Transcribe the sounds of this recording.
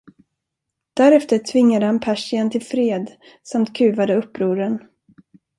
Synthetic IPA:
d̪̥æɾɛft̪əɾtʰvɪŋːad̪əhanpʰæʂɪant̪ʰɪlfɾeːd̪ | samt̪kʰʉ̟ːvad̪əɵpːɾuːɾən

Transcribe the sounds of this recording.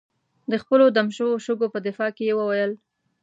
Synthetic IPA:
d̪əxpəlod̪amʃəwoʃʊɡopəd̪ɪfɑkejewəwajəl

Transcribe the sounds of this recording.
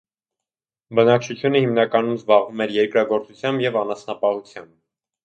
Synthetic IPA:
bənɑk̚t͡ʃʰut͡sʰjunəhimnɑkɑnumzbɑʁvumɛɾjɛɾkɾɑɡɔɾt͡sut͡sʰjɑmbjɛvɑnɑsnɑpɑhut͡sʰjɑmb̚

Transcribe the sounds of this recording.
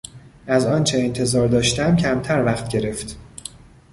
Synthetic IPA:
ʔæzɒːnt͡ʃʰe̞ːnt̪ʰe̞zɒːɾd̪ɒːʃt̪æmcʰæmt̪ʰæɾvæxt̪̚ɟe̞ɾe̞ft̪

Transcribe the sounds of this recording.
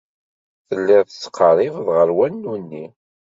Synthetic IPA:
θəlːɪʁsːqʰːəɾˤivðʁəɾwænːunːi

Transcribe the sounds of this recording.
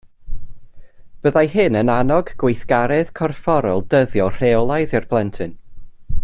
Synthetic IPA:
b̥əðajɦɨnənanɔɡɡwejθɡ̥aɾɛð̥kʰɔrfɔɾɔlˠdəðjɔr̥ewlˠajðɨrb̥lˠɛntʰɨn

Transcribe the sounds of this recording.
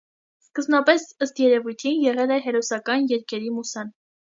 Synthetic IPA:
skəzbnɑpɛsəst̪jɛɾɛvujt̪ʰinjɛʁɛlɛɦɛɾɔsɑkɑnjɛɾkʰɛɾimusɑn

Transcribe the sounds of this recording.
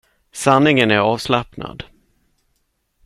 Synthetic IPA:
sanːɪŋənæɾɑːvslapna̰d̪

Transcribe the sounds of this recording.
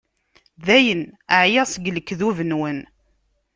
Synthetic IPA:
ðæjənəʕjæsəɡləkːðuvənwən

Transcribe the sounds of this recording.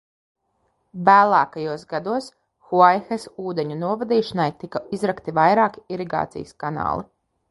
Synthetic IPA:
væːlˠaːkajuɔsɡad̪uɔs | xuajxesuːd̪eɲunuɔvad̪iːʃanajt̪ikaizɾakt̪ivajɾaːkiɾiɡa̰ːt̪sḭjəskana̰ːlˠḭ

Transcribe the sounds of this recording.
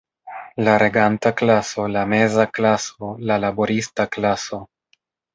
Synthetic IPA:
laɾe̞ɡantaklaso̞lame̞zaklaso̞lalaboɾistaklaso̞

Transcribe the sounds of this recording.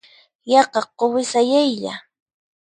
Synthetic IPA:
jɑqɑqːowɪsajajʎa̰

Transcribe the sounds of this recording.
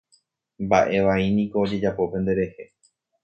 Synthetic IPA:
mbaʔe̞ʋainĩko̞ːd͡ʒe̞d͡ʒapo̞pẽ̞nd̪e̞ɾe̞he̞

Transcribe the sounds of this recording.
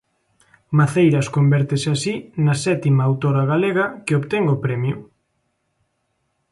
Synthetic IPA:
maθejɾɐskombɛɾt̪eseasinasɛt̪imaːwt̪oɾaɣaleɣɐkeoβt̪eŋopɾɛmjʊ

